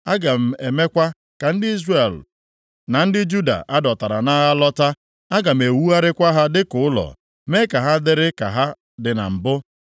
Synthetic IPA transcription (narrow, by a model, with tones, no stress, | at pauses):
a˦ɡa˨m̩˨e˨me˦kʷa˦ | ka˨n̩˦dɪ˦i˦zre˦˨l | na˨n̩˦dɪ˦d͡ʒu˦da̰˨ʔa˦dɔ˨ta˨ɾa˨na˦ɣa˦lɔ˦ta˦ | a˦ɡa˨m̩˨e˨wu˦a˦ɾɪ˦kʷa˦ɦa˦dɪ˦kʊ˨ʊ˦lɔ̰˨ | me˦ka˨ɦa˦dɪ˦ɾɪ˦ka̰˨ɦa˦ | dɪ˨na̰˨m̩˨bʊ˦